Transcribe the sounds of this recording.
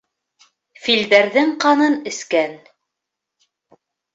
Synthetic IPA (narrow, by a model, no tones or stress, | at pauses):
fild̪æɾðɘŋqɑnɤnɘ̆skæn